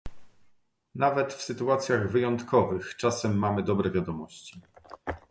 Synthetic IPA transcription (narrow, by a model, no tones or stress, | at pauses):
navɛt̪fsɘt̪uat̪sʲjaɣvɘjɔnt̪kɔvɘxt͡ʂasɛmːamɘd̪ɔbɾɛvʲjad̪ɔmɔɕt͡ɕi